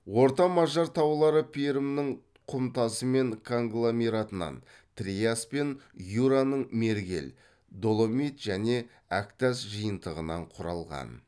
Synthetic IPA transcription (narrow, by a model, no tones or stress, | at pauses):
wo̞ɾt̪ɑmɑʒɑɾt̪ʰɑwlˠɑɾəpʰijɾɪmnɪɴ | qʰʊmt̪ɑsəme̞ŋkʰo̞ŋɡlˠomeɾat̪ənɑ̰n | t̪rijaspe̞njuɾanəɴme̞ɾɡʲe̞̰l | d̪o̞lˠomit̪ʒ̥æne̞ | ækt̪æsʒəjənt̪əʁənɑ̰ɴqʰʊɾɑ̰lˠʁɑ̰n